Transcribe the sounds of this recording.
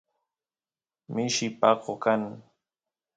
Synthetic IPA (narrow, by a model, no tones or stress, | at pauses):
mɪʃɪpɑqokaŋ